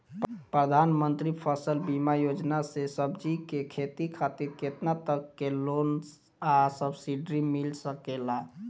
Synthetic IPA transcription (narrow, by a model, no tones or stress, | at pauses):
pɾəd̪ʱanmənt̪ɾipʰəsəlbimajod͡ʒnasesəbd͡ʒikekʰet̪ikʰat̪iɾket̪nat̪əkːelons | asəbsiɖɾimilsəkela